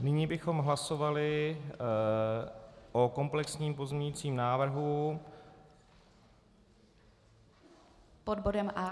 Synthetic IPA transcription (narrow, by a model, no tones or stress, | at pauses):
nɪɲiːbɪxo̞mɦlaso̞valɪ | ʔoko̞mplɛksɲiːmpo̞zɲɛɲɪt͡siːmnaːvr̩ɦu | podbodɛmʔa